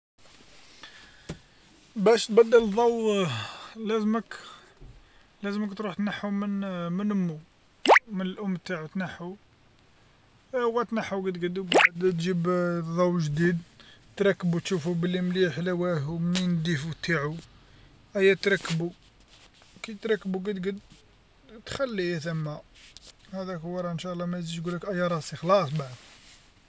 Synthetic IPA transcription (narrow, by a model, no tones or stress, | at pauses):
bæʃt̪̚bæd̪ːəld̪ˤɑw | læzmək | læzməkt̪ɾuħt̪naħumənmənəmːu | mənəlʔʊmːt̪aʕut̪naħu | hwːæt̪naħuɡid̪ɡəd̪ukd̪t̪ʒibðˤɑwʒd̪id̪t̪ɾˤɑkːbut̪ʃufubəlːimliħlæwæɦumnind̪ifut̪aʕu | ʔæjːæt̪ɾˤɑkːbu | kæjt̪ɾˤɑkːbuɡəd̪ɡəd̪ | t̪xælːijæθæmːæ | hæd̪ækhʊwːɑɾˤɑʔənʃælːɑmæjziɡuləkʔæjːɑɾˤɑsˤixlɑsˤbaʕd̪